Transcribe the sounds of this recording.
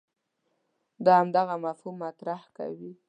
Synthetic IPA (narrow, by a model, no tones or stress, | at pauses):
d̪ɑhamd̪aɣamafhumːat̪ɾahka̰wi